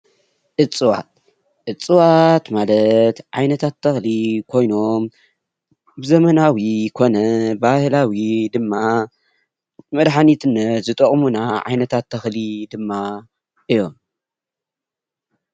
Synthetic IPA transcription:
ʔɨt͡sʼɨwa̰t̪̚ | ʔɨt͡sʼːɨwat̪malɐt̪ʕajnɐt̪ʰat̪ʰːɐxlikʰo̞jno̞m | bɨzɐmɐnawijkʰo̞nɐbahlawid̪ɨmːa | mɐd̪ħanit̪ʰɨnɐzɨt̪ʼɐχʼmunaʕa̰jnɐt̪ʰat̪ʰːɐxlid̪ɨmːa | ʔɨjːom

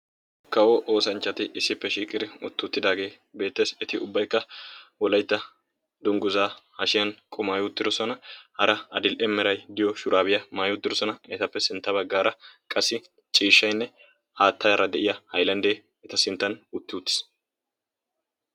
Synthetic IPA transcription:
kɐwɔʔoːsɐnt͡ʃːɐt̪ɪʔɪsːɪpːɛʃiːkʼɪɾɪʊ̰t̪ːɪʊt̪ːɪd̪aːɡe̞ː | be̞ːt̪ːeːsɛt̪ɪʊbːɐjkːɐwɔlɐjt̪ːɐ | d̪ʊŋɡʊzaːhɐʃɪjɐnkʼʊmaːjʊt̪ːɪd̪ɔsɔnɐhɐɾɐɐd̪ɪlʔɛmːɛɾɐjd̪ɪjɔʃʊɾʔaːbɪjɐmaːjʊt̪ːɪd̪ɔsɔnɐɛt̪ɐpːɛsɪnt̪ːɐbɐɡːaːɾɐkʼɐsːɪ | t͡ʃʼiːʃːɐjnːɛ | haːt̪ːɐjɐɾɐd̪ɛʔɪjɐhɐjlɐnd̪eː | ɛt̪ɐsɪnt̪ːɐnʊt̪ːɪʊt̪ːɪ̥s

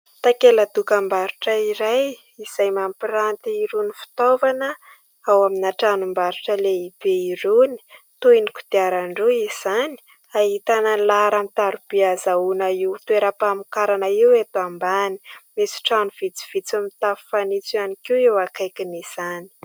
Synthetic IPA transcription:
t̪akelad̪ukambaɾuʈ͡ʂəiɾaj | iz̥ajmampiɾant̪iiɾunifi̥t̪ovanə | awaminaʈ͡ʂanumbaɾuʈ͡ʂəleib̥eiɾuni̥ | t̪uinikud̪̥iaɾaɳɖ͡ʐuiz̥ani̥ | aɦit̪ananlaɾamit̪aɾub̥iazaunaiwt̪ueɾapamukaɾanaiwet̪uambani̥mesi̥ʈ͡ʂanuv̥it͡si̥v̥it͡samit̪afu̥fanit͡sianikiwewakajkiniz̥ani̥

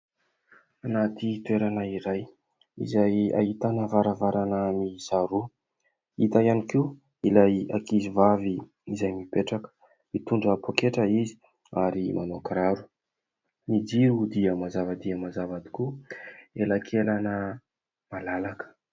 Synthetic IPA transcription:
anat̪it̪weɾanəiɾaj | ḭzaja̰hit̪anəvaɾavaɾanəmizaɾu | it̪ajanikiu | ilaja̰kizivavi | izajmipeʈ͡ʂakə̥ | mit̪uɳɖ͡ʐəpʰokeʈ͡ʂəizi̥ | aɾimʔanokɾaɾu̥ | nid͡ʒiɾud̪iəmazavad̪iəmazavad̪i̥ku | elakʰelanə | malalakə̥

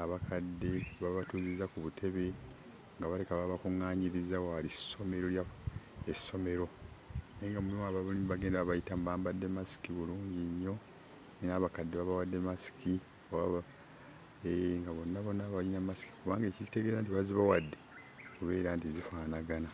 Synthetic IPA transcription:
aβakʰadːe̞βaβatuːzizakuβutʰe̞βe̞ | ŋɡaβalekaβaβakuŋːaːɲiɾizaoaliso̞me̞ɾo̞ljaesːo̞me̞ɾo̞neŋɡamulimaβaβulimβaɡe̞ːndaβaβajitamuβaːmbadːe̞masi̥kiβuluːɲɟiɲːo̞ | nenaːβakadːe̞βaβawadːe̞masi̥kʰi | owaβa | eŋɡaβo̞nːaβo̞nːaβalinamasi̥ki̥kuβaːŋɡeːcici̥te̞ɡe̞zant̬iβaziβawadːe̞ | kuβe̞ːɾaːntizifaːnaɡana

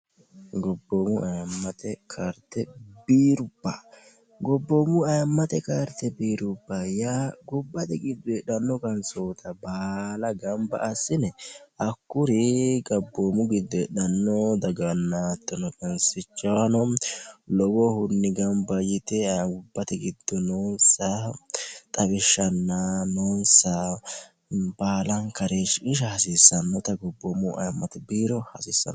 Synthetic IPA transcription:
ɡɔbːoːmʊʔɐjɐmːɐt̪ɛkʰaɾt̪ɛbiːɾʊb̥ːa | ɡɔbːomʊɐjɐmːɐt̪ɛkaɾt̪ɛbiːɾʊbːajaɡɔbːɐt̪ɛɡɪd̪ːʊɛɗɐnːɔkɐnsoːt̪ʰɐbaːlɐɡɐmbɐ̰ʔːsːɪnɛɐkːʊɾiɡɐbːoːmʊɡɪd̪ːʊɛɗɐnːɔd̪ɐɡɐnːaːt̪ːɔnɔkɛnsɪt͡ʃːɐwɐnɔlɔwɔhʊnːɪɡɐmbɐjɪt̪ɛʊbːɐt̪ɛɡɪd̪ːɔnonsɐ | t̪ʼɐβɪʃːɐnːɐnoːnsɐ | baːlɐŋkɐɾeʃɪʃ̬ɐhɐsɪsːɐnːɔt̪ɐɡɔbːoːmʊʔɐ̰jmːɐt̪ɪbiːɾɔhɐsɪsːɐ̰n

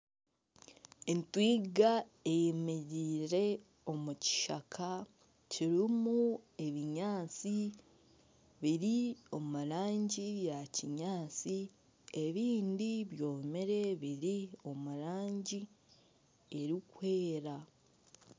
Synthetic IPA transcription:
entwiːɡaejemeɾiːɾe̞ | o̞muci̥ʃa̰kʰa | ciɾimue̞βiɲaːt͡si | βiɾio̞muɾaːɲɟijaciɲaːt͡si | e̞βiːndiβjo̞ːmeɾe̞βiɾio̞muɾaːɲɟi | e̞ɾikwe̞ːɾa

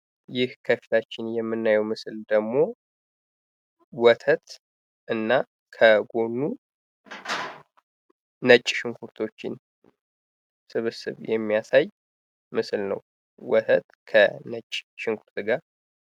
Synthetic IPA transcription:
jɪhkʰəfilʰat͡ʃːɪnjɛmːɨnːajɛwmɨsɨld̪əɡmo̞ | wɔt̪ʰət̪ | ʔɨnːa | kʰəɡo̞nːu | nət͡ʃʼːʃɪŋkʰuɾt̪ʰo̞t͡ʃːɪ̰n | sɨβɨsɨ̰βjɛmːijasaj | mɨsɨlnə̰w | wɔt̪ʰət̪kʰənət͡ʃʼːʃɪŋkʰuɾt̪ɡaɾ

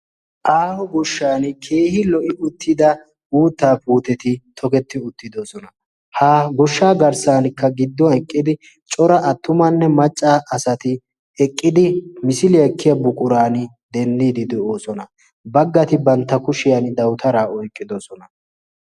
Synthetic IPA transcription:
ʔaːhɔɡɔʃːaːnkʰe̞ːhɪlɔʔɪʔʊt̪ʰːɪd̪ɐ | uːt̪ːaːpuːt̪ɛt̪ɪt̪ʰɔkɛt̪ːɪʊt̪ːɪd̪osɔnɐ | haːɡɔʃːaːɡɐɾsaːnkːɐɡɪd̪ːɔɛkʼːɪd̪ɪ | t͡ʃʼɔɾɐʔɐt̪ːʊmɐnːɛmɐt͡ʃʼːaːʔɐsɐt̪ɪ | ɛkʼːɪd̪ɪmɪsɪlɪjɐkʰːɪjɐbʊkʼʊɾaːnɪ | d̪ɛnd̪iːd̪ɪd̪ɛo̞ːsɔnɐ | bɐɡːɐt̪ɪbɐnt̪ːɐkʊʃɪjɐnd̪ɐwt̪ɐɾaːɔjkʼːɪd̪osɔnɐ

